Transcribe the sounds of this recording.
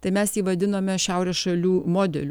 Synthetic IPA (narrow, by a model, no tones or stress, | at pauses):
t̪ɐɪmʲɛsjiːʋɐd̪ʲɪnoːmʲɛʃʲæʊɾʲɛsʃɐlʲuːmoːd̪ʲɛ̰lʲ